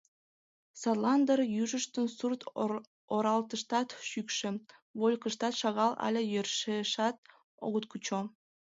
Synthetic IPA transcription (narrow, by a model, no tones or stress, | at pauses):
sɑlˠɑnd̪ərjyʒəʃt̪ənsurt̪ | oɾɑlt̪əʃt̪ɑt̪ʃykʃĕβolʲkəʃt̪ɑt̪ʃɑɣɑlɑ̰lʲejørʃeʃɑt̪̚ | o̰ɣət̪̚kut͡ɕo